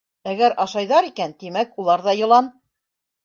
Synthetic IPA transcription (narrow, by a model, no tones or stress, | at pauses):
æɡæɾɑʃɑjðɑɾikænt̪imækulˠɑɾðɑjɤ̆lˠɑn